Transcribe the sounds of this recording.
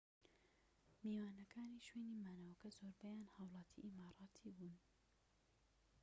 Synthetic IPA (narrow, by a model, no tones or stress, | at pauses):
miːwaːnɐkʰaːniʃweːnimaːnɐwɐkɐzoːɾbɐjaːnhɑwlˠɑːt̪ʰḭʔimaːɾˤɑːt̪ʰiːbuːn